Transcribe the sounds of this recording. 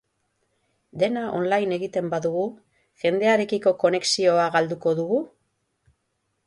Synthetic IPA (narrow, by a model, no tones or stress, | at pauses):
d̪e̞naʔo̞̰nlajne̞ɣit̪e̞mbaðuɣu | ʝe̞nd̪e̞aɾe̞kiko̞ko̞ne̞ksio̞aɣald̪uko̞ðuɣu